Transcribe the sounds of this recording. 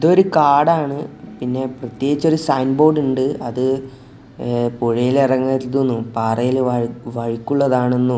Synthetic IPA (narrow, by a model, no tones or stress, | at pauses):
iðo̞ɾukaːɽaːɳɨpinːe̞prɐt̪jeːɡit͡ɕːo̞ɾusɐjnbo̞ːɖuɳɖɨɐðɨ | poɻijilirɐŋːɐɾilt̪̬ːunːupaːrɐjilʋɐɻikʲːuɭːɐðaːɳenːu